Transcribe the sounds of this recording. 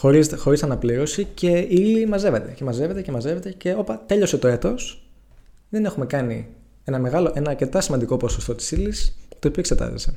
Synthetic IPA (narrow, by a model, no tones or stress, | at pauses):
xoɾizxo̞ɾisɐnɐpliɾo̞sice̞iilimɐze̞ve̞t̪e̞ce̞mɐze̞ve̞t̪ece̞mɐze̞ve̞t̪e̞ce̞o̞pɐt̪e̞ʎo̞se̞t̪o̞e̞t̪o̞s | ðe̞nexume̞kɐni | e̞nɐme̞ɣɐlo̞ʔe̞nɐːɾce̞t̪ɐsimɐnd̪iko̞po̞sost̪o̞t̪i̥silist̪oːpiokset̪ɐ̰zḛse